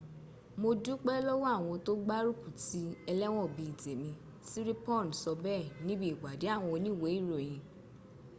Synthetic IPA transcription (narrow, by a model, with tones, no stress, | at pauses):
mo˧du˦k͡pɛ˦lɔ˦wa˦˨w̃ɔ̃˧to˦ɡ͡ba˦ɾu˦˨ku˨ti˨˦ɛ˧lɛ˦w̃ɔ̃˦˨bi˨˧i˨de˨mĩ˧ | si˦ɾi˦pɔ˦˨n˨sɔ˧bɛ˦˨nĩ˨˦bi˦˨ɡ͡ba˨de˨˦a˦˨w̃ɔ̃˧o˧nĩ˦˨we˨˦i˦˨ɾo˨j̃ĩ˧